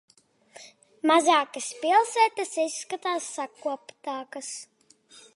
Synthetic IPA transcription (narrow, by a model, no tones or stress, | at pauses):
mazaːkɐspilˠsɛːt̪ɐsisːkat̪aːsːakuɔpt̪aːkɐs